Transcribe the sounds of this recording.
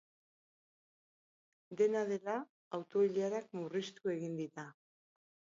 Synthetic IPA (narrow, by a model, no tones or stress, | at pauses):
d̪e̞naðe̞laː | wt̪o̞iʎaɾakmurist̪ue̞ɣ̞ind̪iɾa